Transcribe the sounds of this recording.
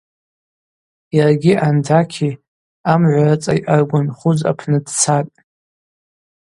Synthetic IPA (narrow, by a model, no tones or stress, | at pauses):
jarɡʲiʔandʰakʲʰi | amʕʷarat͡sʼajʔarɡʷanχʊd͡za̰pʰnɨdt͡sʰatʼ